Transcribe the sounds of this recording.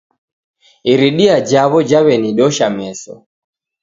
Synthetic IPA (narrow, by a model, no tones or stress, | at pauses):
iɾiɗiad͡ʒaβɔd͡ʒawɛniɗɔʃamɛsɔ̰